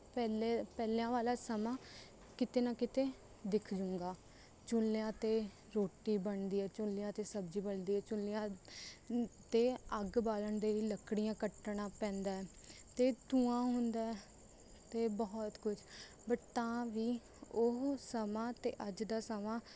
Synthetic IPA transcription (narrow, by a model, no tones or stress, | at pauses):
pɛlepɛːlãːʋaːlaːsəmãː | kɪt̪eːnãːkɪt̪eː | d̪ɪkʰd͡ʒʊ̃ːŋɡaː | t͡ʃʊljãːt̪eː | ɾoːʈiːbəɳd̪iːɛːt͡ʃʊlːɪjãːt̪eːsəbd͡ʒiːbəɳd̪iːɛːt͡ʃʊlːjãː | t̪eːəɡbaːləɳd̪eːɾiːləkɽijãːkəʈːɽãːpɛ̃ːnd̪aːɛː | t̪eːt̪ũːãːɦʊnd̪aːɛ | t̪eːbɔːt̪kʊd͡ʒ | bəʈt̪ãːʋiː | ʊɦsəmãːt̪ḛːʔəd͡ʒd̪aːsəmãː